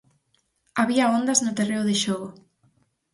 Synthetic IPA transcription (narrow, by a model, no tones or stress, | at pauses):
aβiɐond̪aznʊt̪ereʊðeʃɔɣʊ